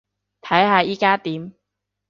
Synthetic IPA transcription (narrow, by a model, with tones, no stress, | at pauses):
t̪ʰɐ˨˥jɦaː˧jiː˥kaː˥t̪iː˨˦˥m